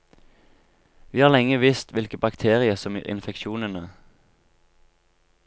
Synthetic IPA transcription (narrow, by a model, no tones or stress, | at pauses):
ʋiːhɑːʁlɛŋəʋɪst̪ʋɪlkəbɑkt̪ʰeːʁɪəsɔm̰ːɪ̰nfɛkʃuːnənə